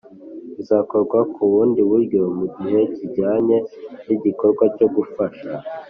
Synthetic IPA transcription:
uzaːko̞ɾɡwakʰuβuːndiβuɾɟo̞muɟiɦe̞ciɟaːɲe̞niɟiko̞ɾɡwaco̞ɡufaʃa

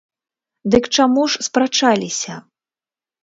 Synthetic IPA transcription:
d̪ɨkt͡ʂamuʂspɾat͡ʂalʲisʲɐ

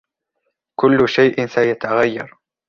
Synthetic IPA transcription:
kʊlːʊʃajʔɪnsajat̪aɣajːɑ̰ɾˤ

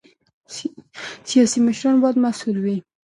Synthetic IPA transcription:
sijɑsimɪʃɾɑnbɑd̪masulwi

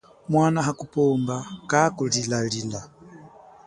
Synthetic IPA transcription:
mwanaɦakupɔmbakakulilalila

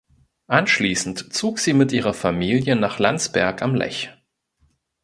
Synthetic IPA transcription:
ʔanʃliːsn̩tt͡soːkz̥iːmɪtʔiːʁɐfamiːljənaːχlant͡sb̥ɛɐkamlɛ̰ç

